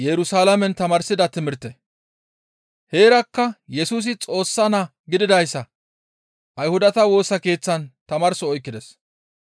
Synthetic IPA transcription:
jɛɾʊsaːlɐmɛnt̪ɐmɐɾsɪd̪ɐt̪ɪmɪɾt̪ːɛ | he̞ːɾɐkːɐjɛsuːs̬ɪt͡sʼo̞ːsːɐnɐ | ɡɪd̪ɪd̪ɐjsːɐ | ʔɐjhʊd̪ɐt̪ɐwo̞ːsɐke̞ːt͡sːɐnt̪ɐmɐːɾsɔɔjkːɪd̪ɛs

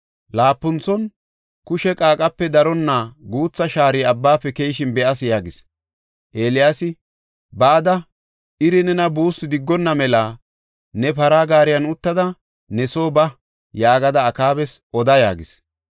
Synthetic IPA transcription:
laːpːʊnt͡sːɔn | kʊʃɛkʼaːkʼɐpːɛd̪ɐɾɔnːaɡuːt͡sːɐʃaːɾɪɐbːaːpːɛkejʃɪnbɛʔɐs̬jaːɡɪs | ʔe̞ːlɪjaːsɪ | baːd̪ɐ | ʔɪɾɪnɛnɐbuːsːɪd̪ɪɡːɔnːɐmɛla | nɛpɐɾaːɡaːɾɪjɐnʊt̪ːɐd̪ɐ | nɛsoːbɐ | jaːɡɐd̪ɐːkaːbɛsɔd̪ɐja̰ːɡɪs

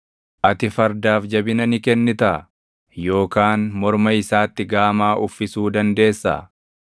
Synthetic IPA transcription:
ʔɐt̪ɪfɐɾd̪aːfd͡ʒɐbɪnɐnɪkɛnːɪt̪ɐʔɐ | jo̞ːkaːnmɔɾmɐɪsaːt̪ːɪɡaːmaːʔʊfːɪsuːd̪ɐnd̪e̞ːsːɐ̰

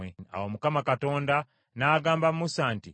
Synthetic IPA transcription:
ea̰womukamakato̞ːnda | naːɡaːmbamusaːnti

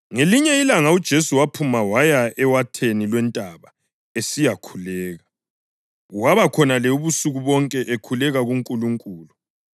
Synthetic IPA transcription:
ŋeliɲɛilaŋaud̥ʒ̥ʱesuwapʰumawajaɛwatʰenilwɛntʼaβa | esijakʰulɛːɣa | waβakʰɔnalɛuβusuɣuβɔŋkʼɛʔekʰulɛɣaɣuŋkʼuluŋkʼuːlu

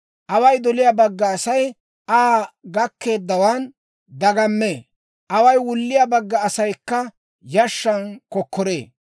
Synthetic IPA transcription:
ʔɐwɐjd̪ɔlɪjaːbɐɡːɐːsɐj | ʔaːɡɐkːe̞ːd̪ːɐwan | d̪ɐɡɐmːeː | ʔɐwɐjwʊlːɪjabɐɡːɐːsɐjkːɐ | jɐʃːɐnkɔkːɔɾe̞ː

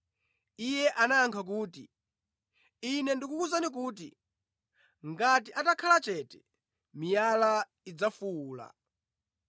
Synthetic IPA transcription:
ijɛʔanaːŋkʰak̬uːtḭ | inɛndikukuzanik̬uːt̬ḭ | ŋɡatiʔatakʰalat͡ʃɛtɛ̥ | mijala | id͡zafuuːla̰

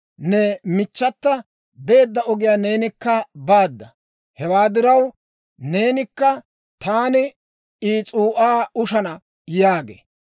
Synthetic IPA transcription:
nɛmɪt͡ʃːɐt̪ːɐ | be̞ːd̪ːɐɔɡɪjaːne̞ːnɪkːɐbaːd̪ːɐ | hɛwaːd̪ɪɾɐw | ne̞ːnɪkːɐ | t̪aːnɪ | iːt͡sʼuːʔaːʊʃɐnɐ | jaːɡḛː

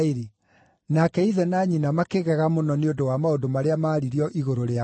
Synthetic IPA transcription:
iɾi | nakɛiðɛnaɲinamakeɣɛɣamonɔneondowamaodomaɾeamaːɾiɾiɔʔiɣoɾoɾea

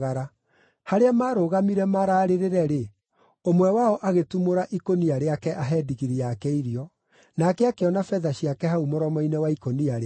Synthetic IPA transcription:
ɣaɾa | haɾeamaːɾoɣamiɾɛmaɾaːɾeɾeɾɛɾe | omwɛwaɔʔaɣetumoɾaʔikoniaɾeakɛʔaɦɛdiɣiɾiakɛiɾiɔ | nakɛakeɔnafɛðaɕiakɛɦaumoɾɔmɔinɛwaikoniaɾe

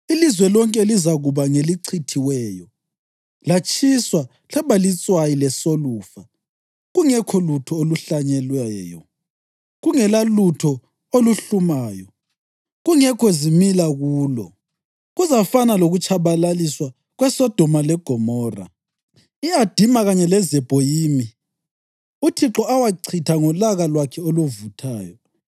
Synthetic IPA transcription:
ilizwɛlɔŋkʼɛlizaɣuβaŋeliǀʰitʰiwɛːjɔ | lat͡ʃʼʰiswa | ɬaβalit͡sʼwajilɛsoluːfa | ɣuŋɛkʰɔlutʰɔoluɬaɲɛlwɛːjɔ̰ | ɣuŋɛlalutʰɔ | oluɬumaːjɔ | ɣuŋɛkʰɔzimilaɣuːlɔ̰ | ɣuzafanaloɣut͡ʃʰaβalaliswa | ɣwɛsɔd̥ʱɔmalɛɡ̥ʱɔmɔːra̰ | iad̥ʱimaɣaɲɛlɛzɛb̥ʱɔjiːmi | utʰiǁɔawaǀʰitʰaŋɔlaɣalwakʰɛoluvutʰaːjɔ

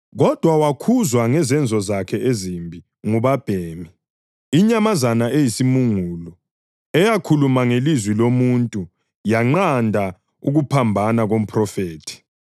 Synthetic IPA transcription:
ɣɔd̥ʱwawakʰuzwaŋɛzɛnd͡zʱɔzakʰɛezimbʱi | ŋuβab̥ʱeːmi | iɲamazanaejisimuŋuːlɔ | ɛjakʰulumaŋelizwilomuntʼu | jaŋ͡ǃandʱa | uɣupʰambʱanaɣom̩pʰʼrɔfeːtʰi̥

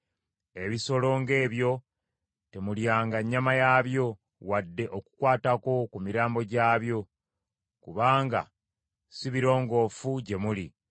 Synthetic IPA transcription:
e̞βiso̞lo̞ːŋɡe̞ːβjo̞ | te̞muljaːŋɡaɲːamajaβjo̞ | wadːe̞ʔo̞ku̥kwaːtako̞kumiɾaːmbo̞ɟaːβjo̞ | kuβaːŋɡa̰ | siβiɾo̞ːŋɡo̞ːfuɟe̞muli

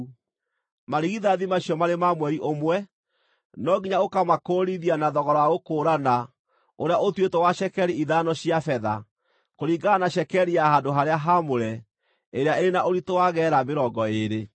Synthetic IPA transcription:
maɾiɣiðaðimaɕijɔmaɾemamwɛɾiʔomwɛ | nɔɡiɲaokamakoɾiðianaðɔɣɔɾɔaɣokoːɾana | oɾeaʔotwetɔwaɕɛkɛɾiiðanɔɕiafɛða̰ | koɾiːɡanaɕɛkɛɾiahandoɦaɾeaɦamoɾɛ | eɾeaeɾenaʔoɾitowaɣɛɾabeɾɔɡɔeɾe

